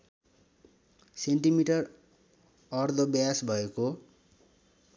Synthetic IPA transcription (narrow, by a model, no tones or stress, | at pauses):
seɳʈimiʈʌr | ʌrd̪ʱʌbjasbʱʌeko